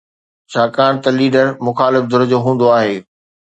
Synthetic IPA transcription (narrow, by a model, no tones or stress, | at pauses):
t͡ɕʰaːkaːɽ̃t̪ɐliːɖəɾmʊxaːlɪfd̪ʱʊɾəd͡ʑoːɦũːn̆d̪oaːɦeː